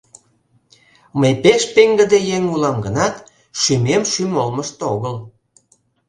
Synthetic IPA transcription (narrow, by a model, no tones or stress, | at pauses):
məjpeʃpeŋɡə̆d̪ejeŋulɑmɡənɑt̪ | ʃymemʃymolməʃt̪oɣəl